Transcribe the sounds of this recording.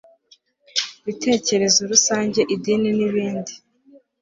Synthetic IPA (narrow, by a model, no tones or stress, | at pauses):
βitʰe̞ːce̞ɾe̞zoɾusaːɲɟe̞ʔidininiβiːndi